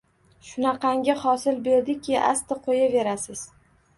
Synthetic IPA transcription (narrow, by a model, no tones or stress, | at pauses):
ʃʊnɑqɑŋɡʲaχɒsɪlbe̞ɾd̪ɪkʲʰɪʔa̰st̪ɪqʰojave̞ɾasɪz̥